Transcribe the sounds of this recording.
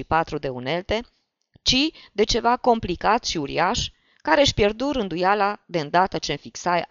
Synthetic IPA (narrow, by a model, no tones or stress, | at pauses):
ipat̪ɾud̪e̞une̞lt̪e̞ | t͡ʃid̪e̞t͡ʃe̞vako̞mplikat̪ʃiuɾḭaʃ | kaɾeaʃpje̞rd̪uɾɨnd̪ujalad̪e̞ɨnd̪at̪ət͡ʃe̞nfiksaj